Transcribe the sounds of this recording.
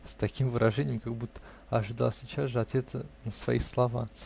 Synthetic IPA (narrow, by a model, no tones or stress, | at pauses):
st̪ɐkʲimvɨɾʔɐʐɛnʲɪjəmkaɡbut̪ːə̥ | ɐʐɨd̪a̰lˠsʲɪt͡ɕazʐɨɐt̪vʲet̪sənəsvɐ̰islˠɐva̰